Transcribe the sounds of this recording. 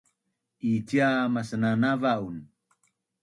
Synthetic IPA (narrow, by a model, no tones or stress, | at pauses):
itjamasənanavaun